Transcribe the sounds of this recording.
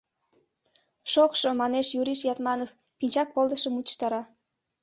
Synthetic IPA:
ʃokʃŏmɑneʃjuɾiʃjɑt̪mɑnof | pinʲt͡ɕɑk̚polˠd̪əʃə̆mut̪ʃt̪ɑɾɑ

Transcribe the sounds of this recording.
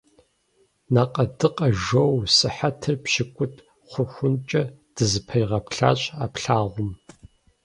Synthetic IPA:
naːqʼɐdɨqʼɐʒowsɨħatʰɨrpʃɪkʷʼʊtʰʼ | χʷʊxʷʊnt͡ʃʼɐd̥ɨzɨpʰɐjʁɐpɬa̰ːɕʼaːpɬaːʁʷʊm

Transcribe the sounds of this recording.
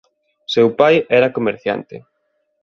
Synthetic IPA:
sewpajɛɾɐkomeɾθja̰nt̪ɪ̰

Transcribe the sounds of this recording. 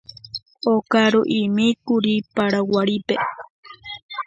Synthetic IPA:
okaɾoʔimikuɾipaɾawaɾipe

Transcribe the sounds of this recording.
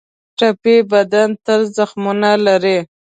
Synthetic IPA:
ʈapebad̪ant̪əlzaxmunalaɾe

